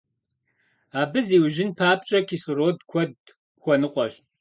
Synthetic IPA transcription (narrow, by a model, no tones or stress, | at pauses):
aːbɨziːwʒɪnpʰaːp̚t͡ʃʼɐkʰisɨroːdkʷʰɔd | xʷɔnɨqʷʼɔɕ